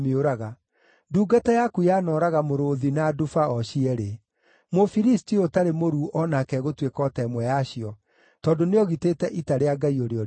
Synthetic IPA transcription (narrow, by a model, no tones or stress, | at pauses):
meoɾaɣa | nduːɡatɛjakujanɔːɾaɣamoɾoðinadufaɔɕiɛɾe | mofiɾistiotaɾemoɾuʔɔnakɛɣotwekɔtɛːmwɛjaɕiɔ | tɔndoneɔɣitetɛʔitaɾeaɡaioɾeɔɾ